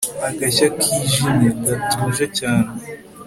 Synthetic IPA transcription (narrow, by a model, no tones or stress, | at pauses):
aɡaʃakʰiʒineɡatuːʒecaːne